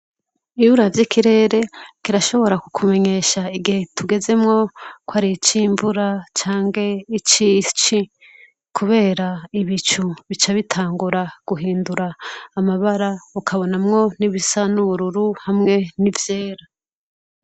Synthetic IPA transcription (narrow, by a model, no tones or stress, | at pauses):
iβuɾavjikʰiɾe̞ːɾe̞kiɾaʃo̞βo̞ɾakukʰume̞ɲe̞ʃaiɡihe̞tʰuɡe̞ze̞mŋo̞kwaːɾit͡ʃiːɱvuɾat͡ʃaːŋɡe̞it͡ʃit͡ʃi | kʰuβe̞ːɾaiβit͡ʃuβit͡ʃaβitʰaːŋɡuɾaɡ̥uɦiːnduɾaːmaβaɾaukʰaβo̞namŋo̞niβisanuβuɾuɾuhamŋe̞nivje̞ːɾa